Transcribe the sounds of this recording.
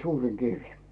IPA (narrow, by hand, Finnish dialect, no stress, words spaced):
suːriŋ kiʋi